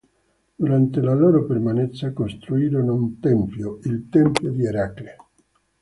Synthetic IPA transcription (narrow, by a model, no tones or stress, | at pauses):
d̪̥uɾant̪elaloːɾopermanɛt̪sːakost̪ɾuiːɾonount̪ɛmpjoilt̪ɛmpjod̪ieɾakɾe